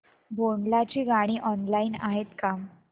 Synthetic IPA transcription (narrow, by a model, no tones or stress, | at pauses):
bʱoɳɖlat͡ɕiːɡaɽ̃iːʔɔnlaiːnaɦet̪ka